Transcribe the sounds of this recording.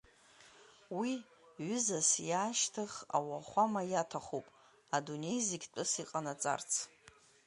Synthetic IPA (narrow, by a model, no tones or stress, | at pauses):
wi | ɥʏzasjaːʃtʰɨχa̰waχʷamajatʰaχopʼ | adune̞jziɡʲt͡pʼʊsiqʼanat͡sʼa̰rt͡sʰ